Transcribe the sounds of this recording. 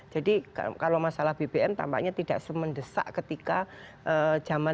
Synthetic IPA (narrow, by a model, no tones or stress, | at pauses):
d͡ʒ̥adikkalawmasalahb̥ebeʔɛmt̪a̰mpa̰ʔɲat̪idaʔsəməndəsa̰ʔkət̪ikaʔəd͡ʒama